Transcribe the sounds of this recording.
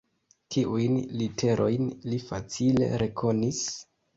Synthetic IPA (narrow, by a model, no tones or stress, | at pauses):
tiʔujnlitʰe̞ɾʔo̞jnlifat͡sile̞̰ɾe̞kʰo̞nis